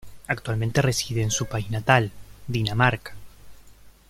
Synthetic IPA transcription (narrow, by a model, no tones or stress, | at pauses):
ak̚t̪walmẽnt̪e̞resiðeːnsupainat̪ald̪inamaɾkḁ